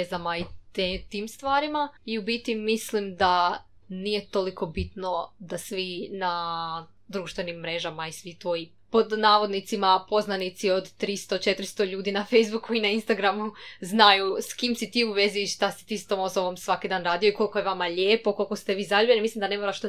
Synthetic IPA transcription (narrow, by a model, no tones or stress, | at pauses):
ezamait̪et̪iːmst̪ʋaːɾimaiubit̪imislimd̪a | nije̞t̪oliko̞bit̪no̞d̪asʋina | d̪ɾuːʃt̪ʋe̞nimːɾe̞ʒamaisʋit̪ʋo̞ji | po̞d̪naːʋo̞d̪nit̪simapo̞znanit̪sio̞d̪t̪ɾist̪o̞t͡ʃe̞t̪ɾst̪o̞ʎuːd̪inafejzbukʰːuinainst̪aɡɾamuznajuskimsit̪iːuʋe̞ziːʃt̪asi̥t̪iːst̪omosoʋomsʋakid̪aːnɾaːd̪ijoiko̞lˠkoje̞ʋamaʎeːpo̞ko̞lˠiko̞st̪eʋiːzaʎʲubʲjenimislimd̪ane̞moɾaʃt̪o